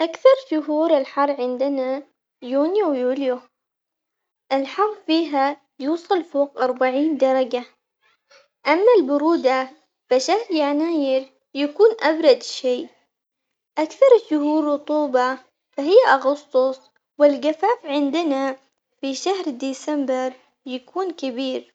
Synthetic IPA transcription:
ʔakθɑɾˤʃʊɦuːɾɪlħɑrˤːʕɪnd̪ɪna | juːnjuwjuːlju | ʔɪlħɑrˤːfiːɦa | juːsˤɑlfoːqʔɑɾˤbaʕiːnd̪ɑɾˤɑɡa | ʔamːalbʊɾuːd̪a | faʃahɾjaʕnaːjɪɾ | jakuːnʔabɾˤɑd̪ʃeː | ʔakθɑɾˤʃʊhuːɾːʊt̪ˤuːbɑ | faɦɪjːaʔɑɣʊsˤt̪ˤʊsˤ | wɪlɡafaːfʕɪnd̪ɪna | fiʃahɾd̪iːsambɪɾ | jakʰuːnkɪbiːɾ

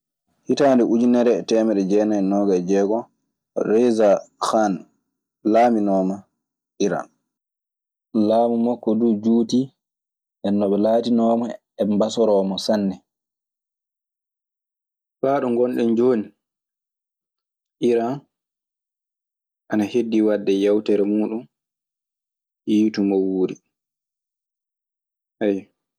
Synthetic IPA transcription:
hitaːndɛʔud͡ʒinɛɾɛtɛːmɛɗɛd͡ʒɛːnaɛnɔːɡad͡ʒɛːɡɔ | ɾɛzaxan | laːminɔːma | ʔiɾa̰n | laːmumɔkːɔdud͡ʒuːti | ʔɛnːɔɓɛlaːtinɔːma | ɛmbasɔɾɔːmɔsanːɛ | faɗɔŋɡɔnɗɛnd͡ʒoːni | ʔiɾa | ʔanahedːiwadːɛjawtɛɾɛmuːɗum | hiːtumɔwuːɾi | haj

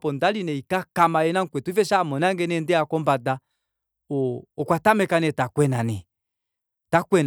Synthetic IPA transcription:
pɔndalinɛikakamaɛnaŋ̩kwɛtuifɛʃamɔnaŋɡɛnɛndɛakɔmbada | oːkwatamɛkanɛtakwɛnanɛ | takwɛn

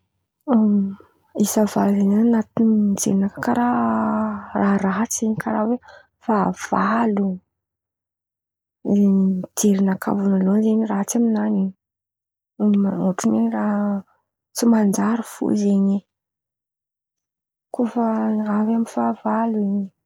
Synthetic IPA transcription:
isavalzeɲananat̪inid͡zeɾinakakaɾa | raɦɾaɦt͡seɲikaɾawe | fav̥alu | d͡zeɾinaka̰vunalonzeɲiraɦat͡saminaniɲ | moʈ͡ʂuneraɦ | t͡simand͡ʒaɾufṵzeɲi | kufəavaminfavaluiɲi

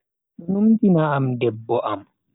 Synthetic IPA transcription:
numdinaːmdɛbːɔʔam

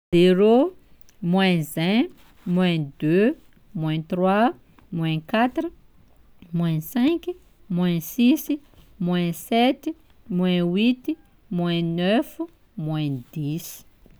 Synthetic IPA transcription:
zeɾo | mwɛ̃zɛ̃ | mwɛ̃d̪ø | mwɛ̃t̪rwa | mwɛ̃kat̪ɾi | mwɛ̃sɛ̃k | mwɛ̃sis | mwɛ̃sɛt̪i | mwɛ̃wit̪i | mwɛ̃nœf | mwɛ̃d̪is

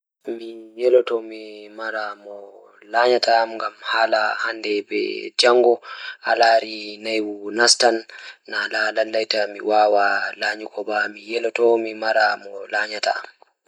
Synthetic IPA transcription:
mijɛlɔtɔmimaɾamɔ | laɲatʰaːmŋɡamhaːlahandɛbɛ̰d͡ʒaŋɡɔa̰laːɾinajwunastanːalalalːajtamiwaːwalaːɲikʰɔbamijɛlɔtɔmimaɾamɔlaːɲata̰a̰m

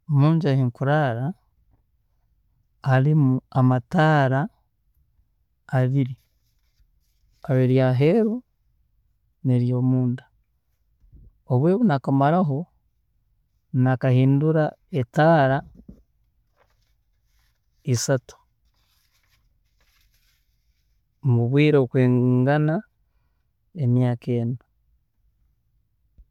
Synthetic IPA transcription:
omuːɲɟahiŋkuɾaɾa | limuamataːɾa | βiɾi | aβeɾjaɦe̞ːɾo | neɾjoːmuːnda | oβwe̞ːβunakamaɾaɦo̞ | nakahiːnduɾaetaːɾa | isatu̥ | muβwiːɾokweːŋɡana | enjaːkeːnu

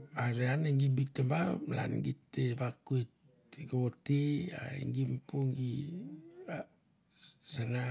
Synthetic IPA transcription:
aɾeaneŋɡimbik̚tambamla̰nɡiteβakuit | ɡaotia̰ḭŋɡimpoŋɡi | a | sana

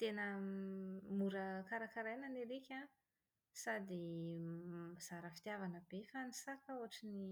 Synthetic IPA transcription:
t̪enə | muɾəkaɾakaɾajnaneɾekʲa | sad̪i | z̥aɾəfi̥t̪javanəbefanisakauaʈ͡ʂini

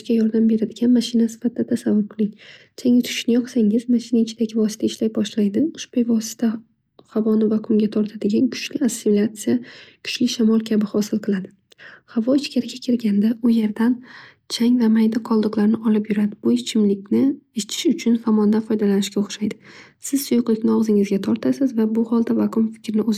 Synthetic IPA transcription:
ʃkʲajɒɾd̪ambe̞ɾad̪ɪɡʲanmaʃɪnasɪ̥fat̪̚ʰd̪atd̪ʰasavːʊɾqʰɨlˠɪŋ | t͡ʃʰaŋɪt̪ʰʊ̥ʃnɪjɒqsaŋɪzmaʃɪnaɪt͡ʃʰɪd̪aɡʲɪvɒsɪ̥t̪ʰaɪʃlajbɒʃlajd̪ɪʊʃpojvɒsɪ̥t̪ʰa | havɒnɪvakʰʊŋɡʲat̪ʰɒɾt̪ʰad̪eɡʲankʰʊ̥t͡ʃlɪasːɪilʲat̪sɨjakʰʊ̥ʃlɪʃamɒlˠkʲʰabɪhɒsɪlˠqʰɨlˠad̪ɪ | havɒɪt͡ʃkʲaɾɪɡʲakʲʰɪɾɡʲand̪aʊje̞ɾd̪an | t͡ʃʰaŋʲvamajd̪ɪqʰɒlˠd̪ɨqlˠaɾnɪʔɒlɪpjʊɾad̪ɪbʊɪt͡ʃʰɪmlɪk̚ʲnɪɪʃt͡ʃ̪ʰɪ̥ʃʊt͡ʃʰʊnfamɒnd̪anfɒjd̪alanɪʃɡʲaoχʃajd̪ɪsɪzsʊjʊqlˠɪkʲnɪɒʁzɪŋɪzɡʲat̪ʰɒɾt̪ʰasɪzvabʊhɒlˠd̪avaqʰʊmfɪ̥kʲɾɪnɪoz

